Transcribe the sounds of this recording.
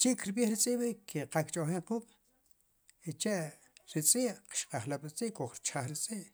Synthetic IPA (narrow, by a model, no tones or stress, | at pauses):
t͡ʃiʔkɾɓjiːχɾit͡sʼiːʔɓikʰeqakt͡ʃʼoχeɴquːɓ̥ | it͡ʃeʔ | ɾit͡sʼiːʔqʃqaχlaɓɾit͡sʼiːʔkoχɾt͡ʃaχɾit͡sʼiːʔ